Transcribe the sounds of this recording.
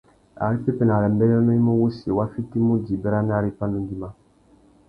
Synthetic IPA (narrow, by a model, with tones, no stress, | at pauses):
a̰˨ɾi˦fi˦pɛ˨na˨ɾɛ˨m˦bɛ˦ɾɛ˦ɾno˦i˦mu˦wu˦si˨e˨wa˦fi˦ti˦mu˦di˨bɛ˦ɾa˦na˦ɾi˦pa˦nũ˦di˦ma˦